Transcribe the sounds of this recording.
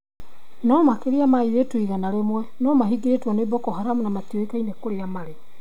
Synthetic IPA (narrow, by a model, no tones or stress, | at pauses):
nɔmakeɾeamaiɾetwiɣanaɾemwɛnɔmaɦiɡeɾetwɔnebɔkɔɦaɾamunamatioekainekoɾeamaɾe